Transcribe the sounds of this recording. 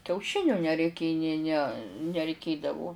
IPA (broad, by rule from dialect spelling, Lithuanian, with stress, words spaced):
kʲɛʊˈʃʲɪnʲʊ nʲɛrʲɛɪˈkʲeː nʲeː nʲɛ nʲɛrʲɛɪˈkʲeːdɐʋʊ